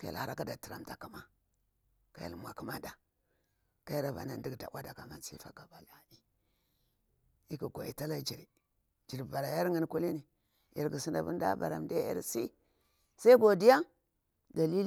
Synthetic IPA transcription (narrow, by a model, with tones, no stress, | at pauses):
ka˦ja̰˨lha˨ɾa˦ka˦da˨ti˨ɾa̰˨mta˨ka˦ma˨ | ka˦ja̰˨lmʷ˨a˨ku˦ma˦da˨ | ka˦ji˦ɾa˨va̰˨na˨ndi˦ɡda̰˨wa˦da˨ka˨ma˨nsḭ˦fa˦ɡa˨ba˨la˨i˦ | i˦ku˨ɡʷa˨i˨ta˦la˦d͡ʒi˨ɾi˨ | d͡ʒi˨ɾba˨ɾa˨ja˦ɾŋi˦n˦ku˦li˦ni˨ | ḭ˨ɾɡi˨si˦nda˨bu˦n˦da̰˦ba̰˨ɾa̰˨mde˦ḭ˦ɾsi˦ | sa˦i˦ɡo˨di˦ja˦ | da˨li˦l